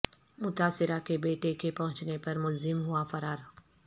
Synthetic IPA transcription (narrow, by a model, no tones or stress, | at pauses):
mʊt̪aːsɪɾakebeːʈekepɐɦʊ̃t͡ʃnepɐɾmʊlzɪmɦʊafɐɾaːɾ